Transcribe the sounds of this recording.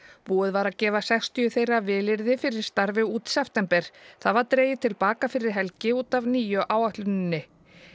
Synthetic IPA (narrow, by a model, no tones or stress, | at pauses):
puːʏðvaɾacɛːvasɛjkst̪iʏθejravɪːlɪɾðɪfɪɾɪɾ̥st̪aɾvɪuːt̪sɛft̪ɛmpɛɾ̥θaðvaɾt̪ɾeːjɪt̪ʰɪlpaːkafɪɾɪɾ̥ɦɛlcɪuːt̪avniːjʏʔaːwaht̪lʏnɪnːɪ